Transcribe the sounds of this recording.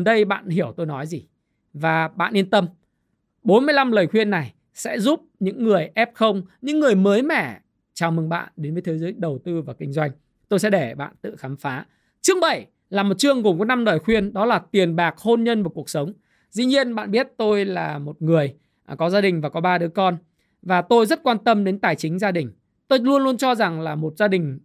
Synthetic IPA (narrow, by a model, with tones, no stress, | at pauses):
nɗə˧jɓa̰ː˧˨nhi˧˩əwt̪o˧jnɔ˨˦jzi˨˩ | vaː˨˩ɓa̰ː˧˨ʔi˧nt̪ə˧m | ɓo˨˦nmɨ˧əjla˧mləː˨˩jxwi˧ənːa˨˩j | sɛ̰˧˥zu˦˥p̚ɲɨ̰˧˥ŋːɨ˨˩əjʔɛ˦˥p̚xə˧wŋ͡mɲɨ̰˧˥ŋːɨ˨˩əjməː˨˦jmɛ̰˧˩˨ | t͡ɕaː˨˩wmɨ˨˩ŋɓa̰ː˧˨nɗe˨˦nvəː˨˦t̪ʰe˨˦jzəː˨˦jɗə˨˩wt̪ɨ˧vaː˨˩kï˧ŋ̟zwa˧jŋ̟ | t̪o˧js̬ɛ̰˧˥ɗe˧˩ɓa̰ː˧˨nt̪ɨ̰˧˨xaː˨˦mfaː˨˦ | t͡ɕɨ˦˥ək̚ɓə˧˩j | laː˨˩mo˨˩t̚t͡ɕɨ˧əŋɣo˨˩ŋ͡mkə˨˦jna˧mnɔ˨˩jxwi˧ənɗɔ˨˦laː˨˩t̪i˨˩ənɓaː˨˩k̚ho˧nɲə˧nvaː˨˩ku˨˩ək̚sə˨˦wŋ͡m | zḭ˧˥ɲi˧ənɓa̰ː˧˨nɓi˦˥ət̚t̪o˧jlaː˨˩mo˨˩t̚ŋɨ˨˩əj | kɔ˨˦zaː˧ɗï˨˩ŋ̟vaː˨˩kɔ˨˦ɓaː˧ɗɨ˨˦əkɔ˧n | vaː˨˩t̪o˧jzə˦˥t̚kwaː˧nt̪ə˧mɗe˨˦nt̪aː˨˩jt͡ɕï˨˦ŋ̟zaː˧ɗï˨˩ŋ̟ | t̪o˧jlu˧ənlu˧ənt͡ɕɔ˧za˨˩ŋlaː˨˩mo˨˩t̚zaː˧ɗï˨˩ŋ̟